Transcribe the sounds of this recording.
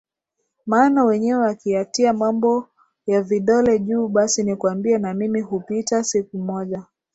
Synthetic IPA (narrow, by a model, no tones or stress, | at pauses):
maːnawɛɲɛwɛwakiatiamambɔ | javiɗɔlɛʄuːɓasinikuambiɛnamimihupitasikumɔʄa